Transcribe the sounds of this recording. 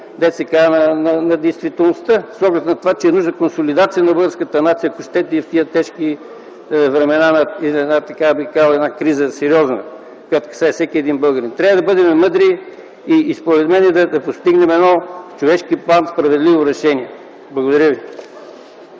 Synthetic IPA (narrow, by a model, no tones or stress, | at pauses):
d̪ɛt̪sɛkannɐnɐd̪ɛjst̪vit̪ɛlˠnost̪əsɔɡlʲɛt̪nɐt̪ovat͡ʃɛɛnuʒnəkonsolʲid̪at̪sijənɐbɤlˠɡəɾskət̪ənat̪sijəkʊʃt̪ɛt̪ɛift̪iət̪ɛʃki | vɾɛmɛnanɐiɛat̪ɐkabkavɛnakɾizəsɛɾiɔznə̰ | kojat̪kɐ̥saɛfsɛkʲiɛd̪inbɤlˠɡəɾint̪ɾʲavəd̪ɐbɤd̪ɛmɛmɤd̪ɾiː | spoɾɛt̪mɛnɛd̪ɐd̪ɐpost̪iɡnɛmɛd̪nɔt͡ʃovɛʃkiplˠanspɾɐvɛd̪livoɾɛʃɛniɛ | blˠɐɡod̪ɐɾʲjəvi